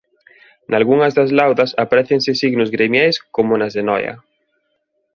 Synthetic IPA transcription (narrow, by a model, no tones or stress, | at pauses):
nalɣuŋɐzðazlawðɐsapaɾɛθeŋsɪsiɣnʊzɣɾemjajskomʊnazðenɔjɐ̰